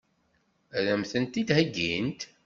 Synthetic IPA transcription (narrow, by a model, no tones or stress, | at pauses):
ɾæmθənt̪id̪hæɡːḭnt̪